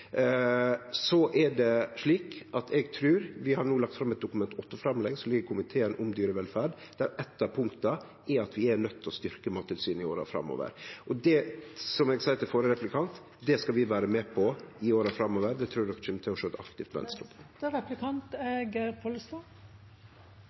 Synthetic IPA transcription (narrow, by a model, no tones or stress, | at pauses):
sɔʔɛɖɛʂɭiːkʔɑt̪ʰɛɡt̪ʰɾʉːɾʋɪhɑɾɳuːlɑkt̪fɾɑmɛt̪̚d̪ʊkʉmɛnt̪ɔt̪ːəfɾɑmlɛɡsɔlɪɡəkʰʊmɪt̪ʰeːənʔʊmd̪yːɾəʋɛlfæːɖ | d̪̥æɾɛt̪ːɑpʰʊŋkt̪ə | ɛɑt̪ʰʋɪænœt̪ʰːɔst̪ʏɾkəmɑːt̪ʰːɪlsyːnɪoːɾɑ̰fɾɑ̰mːo̰ːʋə̰ɾʔɔd̪ɛsɔmɛɡsɛɪt̪ʰɪlfoːɾəɾɛplɪkʰɑnt̪ | d̪ɛskɑʋɪʋæːɾəmɛpʰɔɪoːɾɑfɾɑmːoːʋəɾd̪ɛt̪ʰɾʉːɾɔkʃɛmət̪ʰɪlɔʂoːɛt̪ɑ̰kt̪ɪft̪ʋɛ̰nst̪ɔ̰p | ɾɛplɪkʰɑnt̪eɡəpʰolst̪ɑ